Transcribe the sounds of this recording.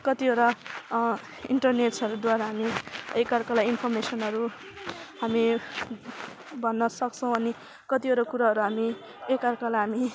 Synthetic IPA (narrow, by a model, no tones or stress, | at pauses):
kʌt̪ioɾa | iɳʈʌrneʈsʌɾud̪waɾaɦamiekarkalajinpʰʌrmesʌnɦʌɾu | ɦami | bʱʌnːʌsʌk̚t͡sʰʌ̃w̃ʌni | kʌt̪ioɾakuɾaɦʌɾuɦami | ekarkalajɦami